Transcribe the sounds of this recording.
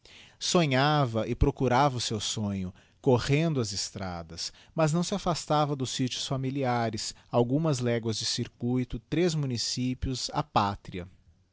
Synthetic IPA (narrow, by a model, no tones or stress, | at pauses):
sõɲavɐʔɪpɾokuɾavɐʊsewsõɲʊ | koʁẽnd̪ʊɐzɪst̪ɾa̰d̪ɐs | mɐznɐ̃w̃sɪafast̪avɐd̪ʊsːit͡ʃʊ̥sfamiliaɾɪsawɡũmɐzlɛɡwɐzd͡ʒɪsiɾkujt̪ʊt̪ɾezmũnisipjʊza̰pat̪ɾiɐ̰